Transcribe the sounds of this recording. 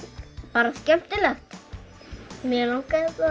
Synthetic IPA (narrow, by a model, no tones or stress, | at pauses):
paːɾascɛft̪ɪlɛxt̪ | mjɛlaŋkaðka